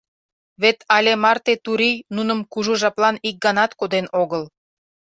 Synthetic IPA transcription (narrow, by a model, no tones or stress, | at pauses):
βet̪ɑlʲemɑrt̪et̪uɾijnunə̆mkuʒuʒɑplɑnik̚ɡɑnɑt̪kod̪enoɣəl